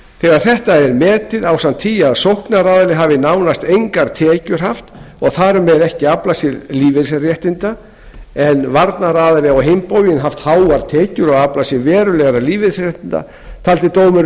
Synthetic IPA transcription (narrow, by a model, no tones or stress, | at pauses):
θɛɣaɾ̥θɛht̪aɛɾmɛːt̪ɪðawsamnt̪ʰːijaðsowhknaraːðɪlɪɦaːvɪnawnast̪ejŋkaɾt̪ʰɛːcʏɾ̥ɦaft̪ | ɔɣθaɾʏmɛɾɛhcɪaplasɪðliːvɪsrjɛht̪ɪnt̪a | ɛnvaɾt̪naɾaːðɪlɪɔɣɦempoːwjɪnɦaft̪haːwaɾt̪ʰɛːcʏɾɔɣaplasjɪvɛːɾʏlɛɣaɾaliːvɪðsrjɛht̪ɪnt̪a̰ | t̪ʰaːlt̪ɪt̪oːwmɪɾ